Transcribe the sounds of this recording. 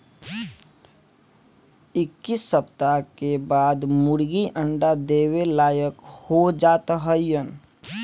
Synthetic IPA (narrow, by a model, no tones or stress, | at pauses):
ɪkːisːəpt̪akebaːd̪mʊɽɡiʔə̃ɳɖad̪eːwelaːjəkhod͡ʒaːt̪ɦəjːən